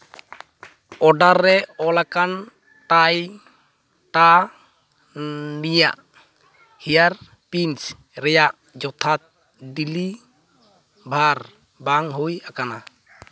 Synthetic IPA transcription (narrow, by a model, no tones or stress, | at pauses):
ɔɖaɾːɛɔlakan | ʈaj | ʈa | nija̰ʔ | hijaɾ | pint͡ʃ | ɾɛjaʔ | d͡ʒɔt̪ʰat̪̚ | ɖili | bʱaɾ | baŋɦujakana